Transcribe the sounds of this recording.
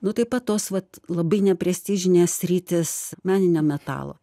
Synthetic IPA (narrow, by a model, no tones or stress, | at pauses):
nʊt̪ɐɪpɐt̪t̪ːoːsʋɐt̪lˠɐbɐɪnʲɛpʲɾʲɛsʲt̪ʲiʒʲɪnʲeːssʲɾʲiːt̪ʲeːsmʲæːnʲɪnʲoːmʲɛt̪ɑ̰ːlˠo̰